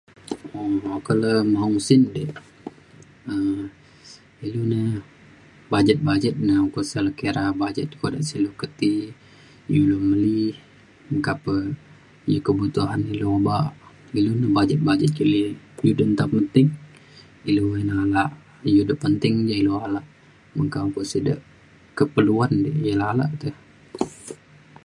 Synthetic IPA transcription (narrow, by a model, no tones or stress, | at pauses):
oakələmaɦuŋsindəʔ | ə | ilunə | bad͡ʒət̪̚bad͡ʒət̪̚naukusaləkeɾabad͡ʒət̪̚kodaʔsilokət̪i | juloməlih | ŋkapə | jukəbut̪uɦanilobaʔ | ilunəhbad͡ʒət̪̚bad͡ʒət̪̚kili | judənt̪appənt̪ɪŋ | iluənalaʔ | judəʔpənt̪ɪŋd͡ʒailoalaʔ | məŋkaŋkuʔsədə̰ʔ | kəpəluandḭʔjəlala̰ʔt̪əh